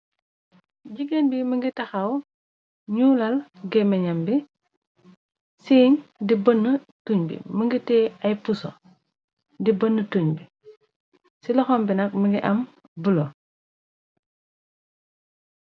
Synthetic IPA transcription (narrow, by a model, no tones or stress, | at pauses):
ɟiɡenbiməŋɡitɐxɐw | ɲuːlɐlɡɛmɛɲɐmbi | siːɲdibənːə | tuɲbḭməŋɡitɛːɐjpusɔ̰ | dibənːətuɲbi | silɔxɔmbinɐk̚məŋɡiʔɐm | bəlo